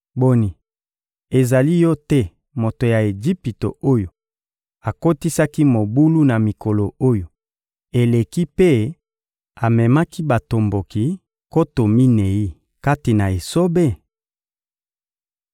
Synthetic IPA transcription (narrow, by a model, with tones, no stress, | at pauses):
bo˨ni˨ | e˨za˨li˦jɔ˦tɛ˦ | mo˨to˨ja˨e˨d͡ʒi˦pi˨to̰˨o˦jo˨ | a˨ko˦ti˦sa˦ki˦mo˨bu˦lu˦na˨mi˨ko˨lo˨o˦jo˨ | e˨le˨ki˦pe˦ | a˨mɛ˨ma˦ki˦ba˨to˨mbo˨ki˨ | ko˦to˨mi˦ne˨i˦ | ka˦ti˨na˨e˨so˦be˦˨